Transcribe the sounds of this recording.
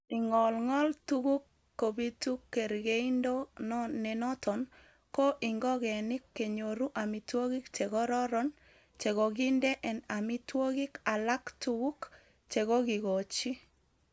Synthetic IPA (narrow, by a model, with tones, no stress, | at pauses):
ɪ˨ŋɔ˨lŋɔ˦ltu˦ɡu˦kː | o˨bi˦tu˦kːe˨ɾɡe˦indo˦nɔnɛ˨nɔ˦tʰɔ˨n | kɔ˦ʔi˨ŋɡɔ˦ɡɛ˨nɪ˦kːe˨ɲo˨ɾu˦ʔa˨mi˨two˦ɡɪ˦kt͡ʃɛ˨ɡɔ˦ɾɔ˦ɾɔ˦n | t͡ʃe˨ɡɔ˨ɡɪ˦ndɛ˦ʔɛ˨na˨mi˦two˦ɡɪ˦ka˨la˦ktu˦ɡu˦k | t͡ʃe˨ɡɔ˦ɡɪ˨ɡo˨t͡ʃi˦